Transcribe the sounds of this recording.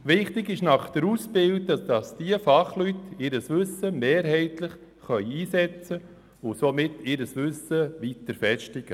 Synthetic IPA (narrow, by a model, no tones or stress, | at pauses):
ʋɪχtɪɡɪʃnɑχt̪əɾuːsbɪldəd̥ɑsd̥iəfɑχlytɪɾəsʋʏsəmeːɾɦɛɪtləχ | χœjiːsɛt͡sə | ʊsomɪt̪ːɪɾəsʋʏsəʋit̪əɾfɛʃtɪɡ̥ə